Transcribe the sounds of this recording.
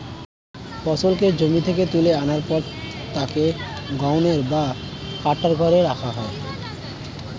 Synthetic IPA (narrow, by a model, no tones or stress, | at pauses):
fɔsolked͡ʑomit̪ʰeket̪uleanaɾpɔɾ | t̪akeɡawneɾba | kaʈːaɾkɔɾeɾakʰaɦɔe